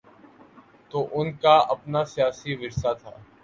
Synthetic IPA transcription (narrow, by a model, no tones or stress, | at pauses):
t̪oːʔʊnkaɐpnasijaːsiʋɪɾsat̪ʰa̰ː